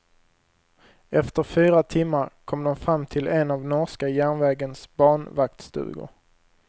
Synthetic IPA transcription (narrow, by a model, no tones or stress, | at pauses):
ɛft̪əɾfyːɾat̪ʰɪmːaɾkʰɔmd̪ɔmfɾamːt̪ʰɪlɛnavnɔʂkajæːɳvɛːɡənsbɑːɳvak̚t̪st̪ʉ̰ːɡʊ̰